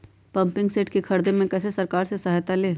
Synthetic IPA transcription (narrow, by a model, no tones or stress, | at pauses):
pɐ̃mpɪ̃ŋɡseːʈkekʰɐɾd̪emẽkɛːsesɐɾkaːɾsesɐɦajt̪aleː